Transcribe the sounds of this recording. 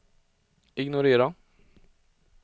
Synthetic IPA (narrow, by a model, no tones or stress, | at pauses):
ɪɡnʊɾeːɾɑ